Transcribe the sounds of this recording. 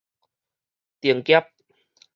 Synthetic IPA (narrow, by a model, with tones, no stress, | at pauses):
t̪i˨˩əŋkjɛ˦˥p̚